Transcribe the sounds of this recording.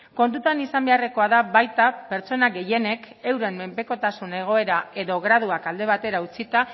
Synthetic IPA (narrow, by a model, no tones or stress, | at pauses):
ko̞nt̪ut̪anisambe̞areko̞aðaβajt̪ape̞ɾt͡so̞naɡe̞je̞ne̞ke̞wɾe̞mmːe̞mpe̞ko̞t̪asune̞ɣ̞o̞e̞ɾae̞ðo̞ɣɾaðuakald̪e̞β̞at̪e̞ɾaut͡sit̪a